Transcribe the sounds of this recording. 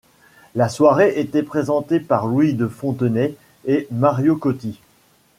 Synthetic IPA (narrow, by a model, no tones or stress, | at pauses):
laswaʁeʔet̪ɛpχezɑ̃t̪epaʁlwid̪əfɔ̃t̪ənɛ | emaʁjokot̪i